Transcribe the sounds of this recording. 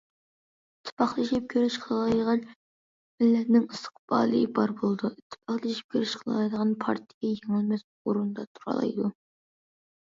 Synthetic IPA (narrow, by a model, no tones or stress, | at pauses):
ɪɪt̪ʰːɪ̥pɑχlˠɨʃɪp̚kʲʰøɾɪʃqʰəlˠɑjd̪ʁɑn | mɪlːɛt̪nɪŋɨst̪ʰə̥qb̥ɑ̰ːlˠɨbɑɾbolˠd̪uit̪ʰːpʰɑχlˠʃɪ̥p̚kʲʰøɾɪʃqʰlˠɑjd̪əʁɑnpʰɑ̰ɾt̪ʰɪɡʲɛjeŋɪlmɛs | oɾund̪ɑt̪ʰu̥ɾɑ̰lˠɑ̰jd̪u